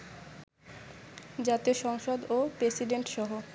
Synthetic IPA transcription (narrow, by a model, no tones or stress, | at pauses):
d͡ʑat̪eʃɔŋʃod̪opɾesiɖeɳʈʃɔɦo